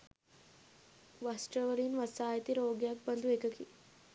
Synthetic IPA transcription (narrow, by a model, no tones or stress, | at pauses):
ʋasʈɾɐʋɐɭiːnʋɐsaːjɐt̪iɾoːɡjaːk̚bɐnd̪ʱueːkɐki